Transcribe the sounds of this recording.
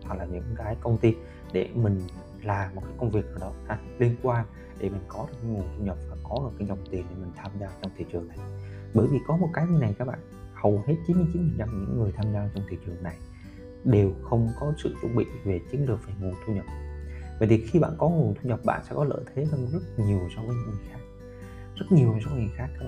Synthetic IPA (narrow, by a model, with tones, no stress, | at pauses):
a˨˩laː˨˩ɲɨ̰˧˥ŋkaː˨˦jkə˧wŋ͡mt̪i˧n | ɗe˧˩mï˨˩ŋ̟ | laː˨˩˨t̚kaː˨˦jkə˧wŋ͡mvi˨˩ək̚ʔaː˨˩ɗɔ˨˦xaː˧˦t̚li˧ənkwaː˧n | ɗe˧˩mï˨˩ŋ̟kɔ˨˦ɗɨ˨˩kːa˨˦jŋu˨˩nt̪ʰu˧ɲə˨˩p̚vaː˨˩kɔ˨˦ɗɨ˨˩t̚kaː˨˦jɲə˨˧˩t̪i˨˩nɗe˧˩mï˨˩ŋ̟t̪ʰaː˧mzaː˧t͡ɕɔ˧wŋ͡mt̪ʰi˧˨˩t͡ɕɨ˨˩əŋna˨˩j | ɓəː˧˩jvi˨˩kɔ˨˦mo˨˩t̚kaː˨˦jɲi˧na˨˩jkaː˦˥k̚ɓa̰ː˧˨nhə˨˩whe˦˥t̚t͡ɕi˨˦nmɨ˧jt͡ɕi˨˦nfʰə˨˩t͡ɕa˧m˨˩ɲɨ̰˧˥ŋːɨ˨˩əjt̪ʰaː˧mzaː˧t͡ɕɔ˧wŋ͡mt̪ʰi˧˩t͡ɕɨ˨˩ə˩ŋna˨˩j | ɗe˨˩wxə˧wŋ͡mkɔ˨˦sɨ̰˧˨t̪ɨ̰˧˥ŋ͡mɓḭ˧˨ve˨˩t͡ɕɨ˨˦ənɗɨ˨˩ək̚vaː˨˩ŋu˨˩nt̪ʰu˧ɲə˨˩p̚və̰ː˧˨jt̪ʰi˨˩xi˧ɓa̰ː˧˨nkɔ˨˦ŋu˨˩nt̪ʰu˧ɲə˨˩p̚ɓa̰ː˧˨nsɛ̰˧˥kɔ˨˦lə̰ː˧˨t̪ʰe˨˦za˧wzə˦˥t̚ɲi˨˩əwsɔ˧wkaː˨˦ɲɨ̰˧˥ŋɨ˨˩jxaː˦˥k̚ | zə˦˥t̚ɲi˨˩əwɲ˨˩sɔ˧wŋɨ˨˩əjxaː˦˥kːaː˦k̚ɓaː˧